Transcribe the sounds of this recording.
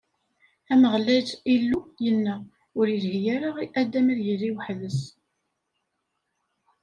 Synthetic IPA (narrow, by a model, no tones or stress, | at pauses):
æməʁlæd͡ʒilːujənːæ | ʊɾilɦijæɾaʁiʔæd̪æmiɾjəlːiwħðəs